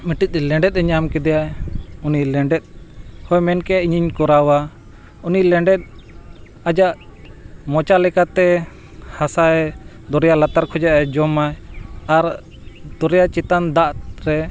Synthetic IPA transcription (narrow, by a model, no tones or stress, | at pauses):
miʈic̚ˀlɛ̃ɳɖɛt̪̚ɛɲamkɛd̪ɛjaɛunilɛɳɖɛt̪̚hɔjmɛnkɛaʔiɲiɲkɔɾawa | unilɛɳɖɛt̪̚ | ad͡ʒaʔ | mɔt͡ʃalɛkat̪ɛ | hasaɛ | d̪ɔɾɛjaʔlat̪aɾkʰɔd͡ʒaʔad͡ʒɔmaɛaɾ | d̪ɔɾɛjat͡ʃit̪and̪aʔɾɛ